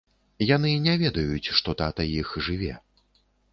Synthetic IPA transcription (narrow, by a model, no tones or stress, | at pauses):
janɨnʲɛvʲɛd̪ɐjut͡sʲʂt̪ɔt̪at̪ɐjixʐɨvʲɛ̰